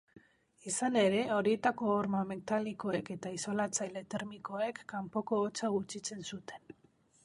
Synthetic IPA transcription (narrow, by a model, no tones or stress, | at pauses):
isane̞ɾe̞o̞ɾie̞t̪ako̞oɾmamekt̪aliko̞e̞ke̞t̪aiso̞lat͡sajle̞t̪e̞ɾmiko̞e̞kːampo̞ko̞ːt͡saɣut͡ʃit͡se̞nsut̪e̞n